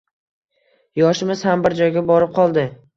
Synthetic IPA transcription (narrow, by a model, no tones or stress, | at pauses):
jɒʃɪmɪz̥hambɪɾd͡ʒɒjɡʲabɒɾɪp̚qʰɒlˠd̪ɪ